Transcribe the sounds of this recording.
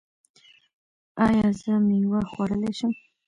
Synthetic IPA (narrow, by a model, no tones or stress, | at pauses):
ajazɨmiwɐχʷɐɾəleʃɪm